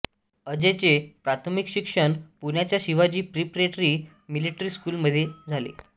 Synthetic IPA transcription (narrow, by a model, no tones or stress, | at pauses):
əd͡ʑet͡sepɾat̪ʰmikɕikʂəɳpuɳjat͡ɕjaɕiʋad͡ʑiːpɾipɾeʈɾiː | miliʈɾiːskuːlməd̪ʱːjed͡zʱalḛ